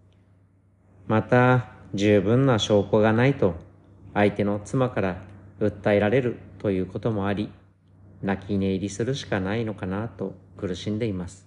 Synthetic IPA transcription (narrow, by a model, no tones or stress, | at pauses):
mat̪ad͡ʑɨːbɯ̟̃nːaɕo̞ːko̞ɡanait̪o̞ | ait̪e̞no̞t͡sɨmakaɾaɯ̟t̪ːaeɾaɾe̞ɾɯ̟t̪o̞jɯ̟ːko̞t̪o̞mo̞aɾʲi | nakʲine̞iɾʲisɨɾɯ̟ɕi̥kanaino̞kanat̪o̞kɯ̟ɾɯ̟ɕĩnd̪e̞imasɨ̥